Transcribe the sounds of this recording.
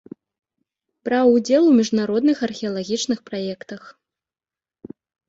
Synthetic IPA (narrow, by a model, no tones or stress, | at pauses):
pɾawud͡zʲɛlˠwmʲiʐnaɾɔd̪nɨxɐrxʲɛɐlˠaɣʲit͡ʂnɨxpɾajɛkt̪ɐx